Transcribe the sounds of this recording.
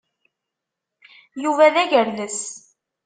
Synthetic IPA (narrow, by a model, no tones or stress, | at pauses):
juvæðæʝəɾləs